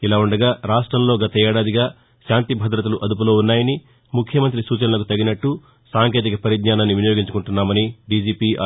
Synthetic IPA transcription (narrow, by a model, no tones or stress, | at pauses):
ilaːuɳɖɐɡaːɾaːʂʈɾɐmlo̞ːɡɐt̪ɐɛːɽaːd̪iɡaː | ʃaːnt̪ibʱɐd̪ɾɐt̪ɐluʔɐd̪up̬ulo̞ːunːaːjɐni | mukʰːjɐmɐnt̪̬ɾisuːt͡ʃɐnɐlɐkut̪ɐɡinɐʈːu | saːŋke̞ːt̪̬ikɐpɐɾid̪ɲaːnanːiʋinɐjo̞ːɡiɲt͡ʃukuɳʈunːaːmɐniɖiːd͡ʒiːpiːa̰